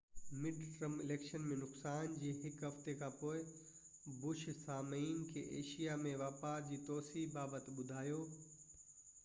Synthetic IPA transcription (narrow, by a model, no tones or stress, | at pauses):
mɪɖʈɾəmɪleːkʃənmẽnʊqsaːnd͡ʑiːɦɪkɦɐft̪ekʰãːpoːɪ | bʊʃsaːmiːnkʰḛːʔḛːʃijamẽʋaːpaːd͡ʑiːt̪ɔːsiɦbaːbət̪ɓʊd̪ʱaːjoː